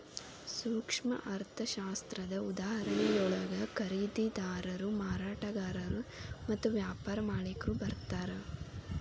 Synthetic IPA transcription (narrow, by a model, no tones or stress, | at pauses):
suːkʂmɐ̰ʔɐɾt̪ʰɐʃaːst̪ɾɐd̪ɐud̪aːɦɐɾɐɳɛjɔɭɐɡɐkɐɾiːd̪id̪aːɾɐɾumaːɾaːʈɐɡaːɾɐɾumɐt̪ːuʋjaːpaːɾɐmaːɭikɐɾubɐɾt̪aːɾe